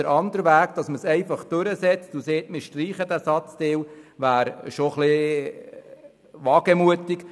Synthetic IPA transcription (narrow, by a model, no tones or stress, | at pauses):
əɾʔɑnd̪əɾʋæːɡd̪̥ɑsməsɛɪfɑχd̥̪ɵɾəsɛt͡stuseːtmɪʃtriːχəd̪æsɑt͡st̪ɪːwʋæːɾʃoχlɪ | ʋɑːɡ̥əmuətik